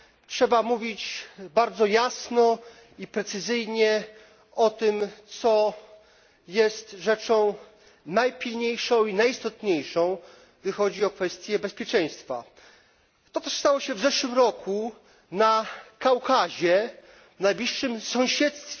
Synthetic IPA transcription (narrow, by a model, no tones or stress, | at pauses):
tʂɛbamuvʲit͡ɕbaɾd̪zɔjasnɔ | ipɾɛt̪sɘzɘjɲɛ | ɔt̪ɘmt̪sɔ | jɛst̪ʐɛt͡ʂɔ̃w̃ | najpʲilɲejʂɔ̃w̃inajist̪ɔt̪ɲejʂɔ̃w̃ | ɡd̪ɘxɔd͡ʑiɔkfɛst̪ʲjɛbɛspʲjɛt͡ʂɛ̃j̃st̪fa̰ | t̪ɔt̪ɛʂst̪awɔɕɛvzɛʂwɘmɾɔkʰu | nakawkaʑɛ | vnajblʲiʂːɘmsɔ̃w̃ɕɛt̪st̪fʲɛ